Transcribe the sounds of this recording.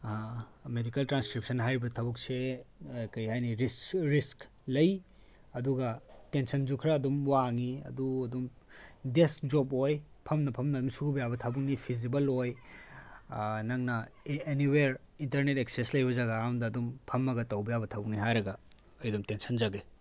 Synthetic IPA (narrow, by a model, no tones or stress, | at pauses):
medikɐltɾanskɾip̚sʰɐnɦajɾbɐtʰɐbuksejkɐjɦajniɾisɾisk | lɐj | ɐduɡɐtensɐnd͡ʒukʰɾɐːdumwaŋiɐ̰duɐdum | desd͡ʒoboj | pʰɐmnɐpʰɐmnɐdumsubijabɐtʰɐbuk̚nipʰizibɐloj | nɐŋnɐeniweɾ | intɐɾnetek̚seslɐjbɐzaɡɐːmdɐːdumpʰɐmːɐɡɐtːɐwbijabɐtʰɐbuk̚niɦajɾɐɡɐː | jdumtensʰɐnd͡ʒɐɡe